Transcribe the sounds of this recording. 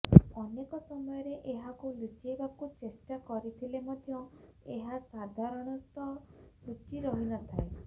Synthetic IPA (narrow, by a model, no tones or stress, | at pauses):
ɔnekɔsɔmɔjɔɾeʔeɦakulut͡ʃebakut͡ʃesʈakɔɾit̪ʰilemɔd̪ʱjɔeɦasad̪ʱaɾɔɽ̃ɔst̪ɔlut͡ʃiɾɔɦinɔt̪ʰae